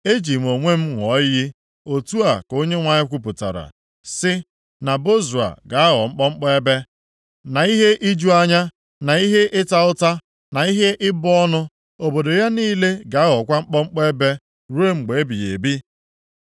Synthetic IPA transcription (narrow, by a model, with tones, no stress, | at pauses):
e˦d͡ʒi˨m̩˨o˨ŋʷe˦m̩˦ŋʷɔ˨˦ji˦ | o˨tu˦a˨ko˦ɲe˦ŋʷa˨ɲɪ˦kʷu˨p̬ʊ˨ta̰˨ɾa̰˨ | sɪ˦ | na˨bo˦zu˨a̰˨ɡa˨a˦ɦɔ˨ŋ͡m̩˦k͡pɔ˦ŋ͡m̩˦k͡pɔ˦e˦be˦ | na˨i˦ɦe˦ʔi˦d͡ʒu˦a˦ɲa˦ | na˨i˦ɦe˦ʔɪ˦ta˦ʊ˦ta˦ | na˨i˦ɦe˦ʔɪ˦bʊ˦ɔ˦nʊ˦ | o˨bo˨do˨ja˦niː˦le˦ɡa˨a˦ɦɔ˨kʷa˦ŋ͡m̩˦k͡pɔ˦ŋ͡m̩˦k͡pɔ˦e˦be˦ | ɾu˦e˦ŋ͡m̩˨ɡ͡be˨e˦bi˨jḛ˨bi˦